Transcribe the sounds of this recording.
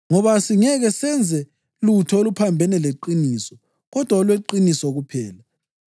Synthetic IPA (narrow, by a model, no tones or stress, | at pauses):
ŋɔβasiŋɛɣɛsɛnd͡zʱɛ | lutʰɔolupʰambʱɛnɛleǃiniːsɔ | ɣɔd̥ʱwaɔlweǃinisɔɣupʰɛːla